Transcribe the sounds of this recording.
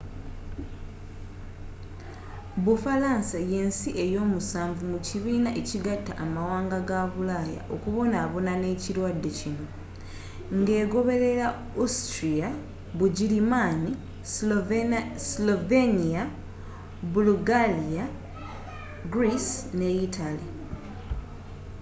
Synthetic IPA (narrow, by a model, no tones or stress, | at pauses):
βufalaːnsaje̞ːnsiʔe̞jo̞ːmusaːɱvumuciβiːnaʔeciɡatːaʔːmawaːŋɡaɡaβulaːja̰ʔo̞kuβo̞naːβo̞nane̞ːcilwadːe̞cino̞ | ŋɡe̞ːɡo̞βe̞ɾe̞ɾa | ustɾia | βuɟilimani | slovenia | buluɡalia | ɡɾisne̞itali